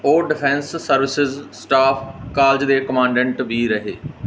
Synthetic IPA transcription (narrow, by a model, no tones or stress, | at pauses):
oːɖɪpʰɛ̃ːnsːəɾʋɪsɪzsʈaːpʰkaːld͡ʒd̪eːkəmãːɳɖɛ̃ɳʈʋiːɾəɦḛː